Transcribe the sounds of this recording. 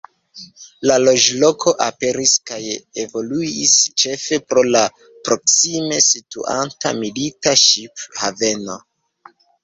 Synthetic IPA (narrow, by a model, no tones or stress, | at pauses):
lalo̞d͡ʒlo̞kʰo̞ʔape̞ɾiskajevo̞luist͡ʃe̞fe̞pɾo̞la | pɾo̞ksime̞sitṵʔa̰nta̰militaʃiphave̞no̞